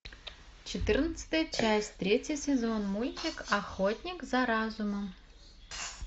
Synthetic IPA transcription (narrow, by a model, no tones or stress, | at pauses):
t͡ɕɪt̪ɨrnət̪sə̥t̪əjət͡ɕæsʲtʲt̪ɾʲetʲjəsʲɪzonmulʲt̪ʲɪkɐxotʲnʲikzɐɾazuməm